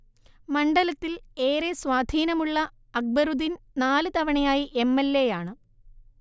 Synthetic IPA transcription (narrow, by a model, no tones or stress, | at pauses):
mɐɳɖɐlɐt̪ːile̞ːɾeswaːd̪ʱiːnɐmuɭːɐ | ɐɡ̚bɐɾud̪in | naːlɨt̪ɐʋɐɳɐjaːjiʔemːelːe̞jaːɳɨ